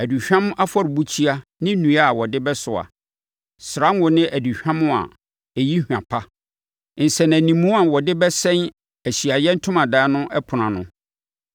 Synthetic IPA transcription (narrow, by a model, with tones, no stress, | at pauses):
æ˨du˨ɕᶣã˦m˦ʔa˦fɔ˦˨ɾɪ˨bu˦t͡ɕʰi˦a˦nɪ̃˦nũ˨a˦˨wɔ˨dɪ˦bɛ˦sʊ˨a̰˨ | sɪɾã˦ŋ˦wʊ˨nɪ̃˦ʔæ˨du˨ɕᶣã˦mʊ̃˦a̰˨ | e˨ji˦hᶣã̰˨pʰa˦ | n̩˨sɛ˨næ̃˨nĩ˨mũ˦a˨wɔ˨dɪ˦bɛ˦sɛ̃˦n | æ˨ɕi˨a˨jɛ˦n̩˦tʰʊ̃˦mã˨daː˦nʊ̃˦ʔɛ˦pʰʊ˨nã˨nʊ̰̃˦